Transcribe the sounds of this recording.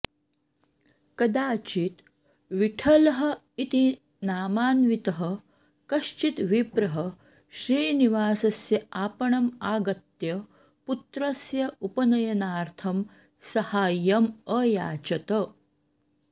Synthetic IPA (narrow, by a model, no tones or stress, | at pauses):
kɐd̪aːt͡ʃit̪ | ʋiʈʰɐlɐɦɐ̆ | it̪i | naːmaːnʋit̪ɐɦɐ | kɐʃt͡ʃit̪ʋipɾɐɦɐ | ɕɾiːniʋaːsɐsjɐaːpɐɳɐmaːɡɐt̪jɐ | put̪ɾɐsjɐupɐnɐjɐnaːɾt̪ʰɐm | sɐhaːjɐmɐjaːt͡ʃɐt̪ɐ